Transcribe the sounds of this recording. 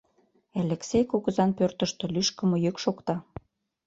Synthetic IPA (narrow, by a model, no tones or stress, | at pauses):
eleksʲejkuɣəzɑnpørt̪ə̆ʃt̪ø̆lyʃkə̆mŏjøkʃokt̪ɑ